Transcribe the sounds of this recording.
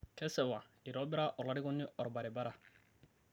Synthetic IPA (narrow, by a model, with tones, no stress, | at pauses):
kʰɛ˦sɛ˨wa˨ɪ˨ɾɔ˦bɪ˦ɾa˦ʔɔ˨la˦ɾɪ˦ɡɔ˦nːɪ˦ɔ˨ɾba˨ɾɪ˨ba˦ɾa˨